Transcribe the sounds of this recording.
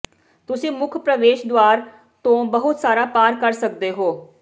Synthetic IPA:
t̪ʊsĩːmʊkʰpɾəʋeːʃd̪waːɾ | t̪õːbəɦʊt̪saːɾaːpaːɾkəɾsəkd̪eːɦoː

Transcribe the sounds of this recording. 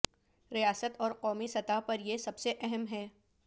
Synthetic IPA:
ɾijaːsət̪ɔːɾqɔːmisɐt̪apɐɾjesɐbseʔɛɦɛmɦɛː

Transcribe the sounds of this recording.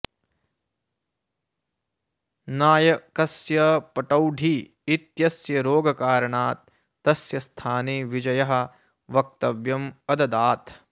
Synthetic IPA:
naːjɐkɐsjɐpɐʈɐwɖʱiː | t̪jɐsjɐɾoːɡɐkaːɾɐɳaːt̪̚ː | ɐsjɐst̪ʰaːneːʋid͡ʒɐjɐɦɐ̆ | ʋɐk̚t̪ɐʋjɐmɐd̪ɐd̪aːt̪

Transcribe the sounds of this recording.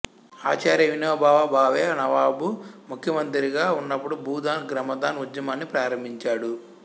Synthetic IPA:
aːt͡ʃaːɾjɐʋinoːbʱaːʋabʱaːʋeːnɐʋaːbumukʰjɐmɐnt̪iɾiɡaːunːɐpːuɽubʱuːd̪aːnɡɾɐmɐd̪aːnud͡ʒ̪jɐmɐnːipɾaːɾɐmbʱiɲt͡ʃaːɽu

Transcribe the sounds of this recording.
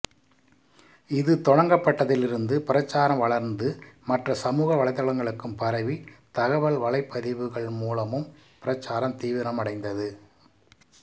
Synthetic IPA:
ɪðɯt̪ɔɻɐŋɡɐpːɐʈːɐðɪlɪɾɯnd̪ɯpɪɾɐt͡ʃːaːɾɐmʋɐɭɐɾnd̪ɯmɐʈrɐsɐmuːɣɐʋɐɭɐɪt̪ːɐɭɐŋɡɐɭɯkːɯmpɐɾɐʋit̪ɐɣɐʋɐlʋɐɭɐɪpːɐðɪʋɯɣɐɭmuːlɐmɯmpɪɾɐt͡ʃːaːɾɐmt̪iːʋɪɾɐmɐɽɐɪnd̪ɐðɯ

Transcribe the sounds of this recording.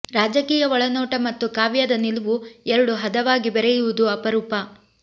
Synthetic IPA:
ɾaːd͡ʒɐkiːjɐʋɔɭɐnɔːʈɐmɐt̪ːukaːʋjɐd̪ɐnilʋuɛɾɐɽuɦɐd̪ɐʋaːɡibɛɾɛjuʋud̪uɐpɐɾuːpɐ

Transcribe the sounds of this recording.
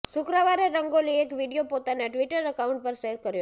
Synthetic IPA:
sʊkɾaʋaɾeɾəŋɡoliekʋiɖijopot̪aneʈʋiʈəɾəkauɳʈ̚pəɾʃeɾkəɾjo

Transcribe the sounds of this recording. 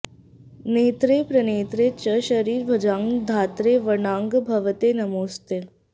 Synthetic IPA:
neːt̪ɾeːpɾɐneːt̪ɾet͡ɕəʃəɾiːɾbʱɐd͡ʒãːŋɡd̪ʱaːt̪ɾeʋəɳãːŋɡbʱɐʋət̪enɐmoːst̪eː

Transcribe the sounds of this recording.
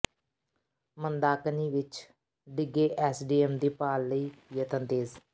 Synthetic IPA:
mənd̪aːkniːʋɪt͡ʃ | ɖɪɡeːʔɛːsɖiːɛːmd̪iːpaːlːəiːjət̪ənt̪eːz

